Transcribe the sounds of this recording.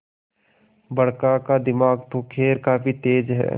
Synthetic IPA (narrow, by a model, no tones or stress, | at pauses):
bɐɽkakad̪ɪmaːɡt̪okʰeːɾkaːfit̪eːd͡ʒɦɛ̰ː